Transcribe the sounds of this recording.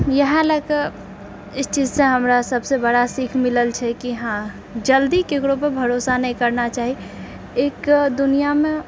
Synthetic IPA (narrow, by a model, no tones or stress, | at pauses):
jəɦãləkə | ɪst͡ʃizsẽɦəmɾasəbsebəɽasikʰmɪləlt͡ʃʰɛkiɦã | d͡ʒəld̪ikekɾopəbʱəɾosanəĩkəɾnat͡ʃaːɦi | ekd̪unijamẽ